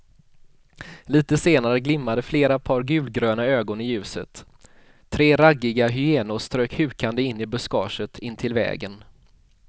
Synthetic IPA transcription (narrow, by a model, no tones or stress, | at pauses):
liːt̪əseːnaɾəɡlɪmːad̪əfleːɾapʰɑːɾɡʉ̟ːlɡɾøːnaøːɡɔnɪjʉ̟ːsət̪ʰː | ɾeːɾaɡːɪɡaɦʏeːnʊst̪ɾøːkhʉ̟ːkand̪əɪnːɪbɵskɑ̰ːʂət̪ʰɪnːt̪ʰɪlvɛ̰ːɡən